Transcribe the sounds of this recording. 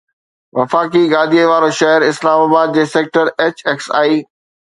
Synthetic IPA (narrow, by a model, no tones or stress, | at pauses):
ʋɐfaːkiɡaːd̪ʱijeʋaːɾoʃaɦɪɾɪslaːmaːbaːd̪̚d͡ʑeːseːk̚ʈəɾeːt͡ɕeːksa̰ːiː